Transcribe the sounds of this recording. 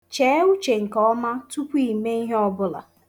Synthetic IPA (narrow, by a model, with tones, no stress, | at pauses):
t͡ʃeː˨˦u˦t͡ʃe˨ŋ̩˨kɔ˦ma˦tu˦kʷu˦i˨me˦i˦ɦe˦ɔ˦bʊ˦la̰˨